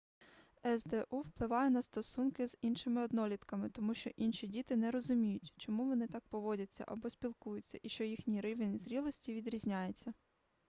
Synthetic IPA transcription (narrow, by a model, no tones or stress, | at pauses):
ɛzd̪ɛʔuwplˠɪʋɑjɛnɐst̪ɔsunkɪz̥inʃɪmɪɔd̪nɔlʲit̪kɐmɪt̪ɔmuʃt͡ʃɔʔinʃʲidʲit̪ɪnɛɾɔzʊmʲijʊtʲt͡ʃɔmuʋɔnɪt̪ɑk̚pɔʋɔdʲɐt͡sʲːɐ̰ʔɐbɔsʲpʲilˠkujʊt͡sʲːɐ̰ʔiʃt͡ʃɔjixnʲijɾɪʋɪnʲzɾʲilˠɔsʲtʲiʋʲid̪ɾʲizʲnʲajet͡sʲːɐ